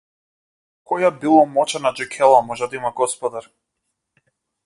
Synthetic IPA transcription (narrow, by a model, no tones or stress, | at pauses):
kɔjabilˠɔmɔt͡ʃanad͡ʒɛkʰɛlˠamɔʒɛd̪aimaɡɔspɔd̪aɾ